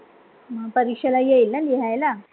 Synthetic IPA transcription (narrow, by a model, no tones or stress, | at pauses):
məpəɾikɕəlajejlnaliɦajla